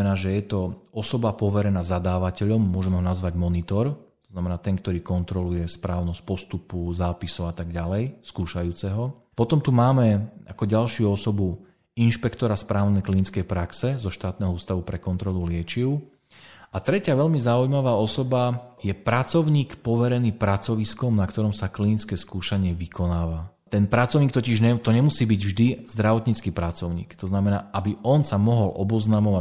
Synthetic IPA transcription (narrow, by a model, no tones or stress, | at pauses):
ɛnaːʒɛjɛt̪ɔɔsɔbapɔʋɛɾɛnaːzad̪aːʋacɛʎɔmːʊɔʒɛmɛɦɔnazʋaɟmɔnit̪ɔɾt̪ɔznamɛnaːt̪ɛŋkt̪ɔɾiːkɔnt̪ɾɔlujɛspɾaːʊnɔsc̚pɔst̪upuzaːpisɔʊat̪aɡɟalɛjskuːʃajuːt͡sɛɦɔ | pɔt̪ɔmt̪umaːmɛakɔɟalʃɪuɔsɔbu | inʃpɛkt̪ɔɾaspɾaːʊnɛjklinit͡skɛjpɾaksɛzɔʃt̪aːt̪̚nɛɦɔuːst̪aʋupɾɛkɔnt̪ɾɔlulɪɛt͡ʃiʊ | at̪ɾɛcɪaʋɛʎmizaujmaʋaːɔsɔbajɛpɾat͡sɔʊɲiːkpɔʋɛɾɛniːpɾat͡sɔʋiskɔmnakt̪ɔɾɔmsaklinit͡skɛːskuːʃaɲɪɛʋikɔnaːʋa | t̪ɛnpɾat͡sɔʊɲiːk̚t̪ɔciʒɛt̪ɔɲɛmusiːbiɟvʒd̪iz̥d̪ɾaʋɔt̪ɲit͡skiːpɾat͡sɔʊɲḭːkt̪ɔznamɛnaːʔabiʔɔnsamɔɦɔlʔɔbɔznaːmɔʋa